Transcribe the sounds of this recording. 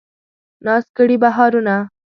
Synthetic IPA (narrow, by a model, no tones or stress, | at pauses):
nɑskəɽibaɦɑɾuna